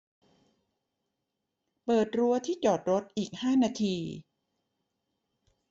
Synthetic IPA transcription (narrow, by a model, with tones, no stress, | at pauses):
pɤː˨˩t̪̚ɾu˧ɐt̪ʰiː˥˩t͡ɕɔː˨˩t̪̚ɾo˦˥t̪̚ʔiː˨˩k̚haː˥˩naː˧t̪ʰiː˧